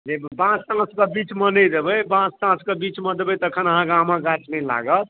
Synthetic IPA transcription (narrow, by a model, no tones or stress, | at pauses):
d͡ʒebãst̪ãskəbit͡ʃmənəd̪ebəjbãst̪ãskəbit͡ʃməd̪ebɛt̪əkʰənəɦãkamãɡat͡ʃmela̰ɡət̪